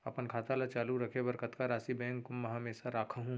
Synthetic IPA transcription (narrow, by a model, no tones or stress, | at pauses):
ɐpənkʰaːt̪alat͡ʃaːluɾɐkʰebɐɾkət̪kaɾaːsibɛ̃ːŋkːʊmːɛɦɐmeːsaɾaːkʰaɦũ